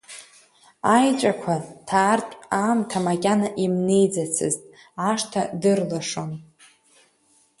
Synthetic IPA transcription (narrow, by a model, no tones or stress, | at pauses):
ajt͡ʃʷʼakʷʰatʰaːrtʼaːmtʰamakʲʼanaʔimnejd͡zat͡sʰɨ̰ztʼ | aʂtʰadɨrlaʂon